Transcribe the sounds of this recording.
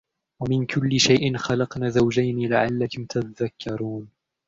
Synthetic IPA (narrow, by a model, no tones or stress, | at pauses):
wamɪnkʰʊlːɪʃajʔɪnxalɑqnaːzawd͡ʒajnilaʕalːakʊmt̪aðakʰːɑɾˤuːn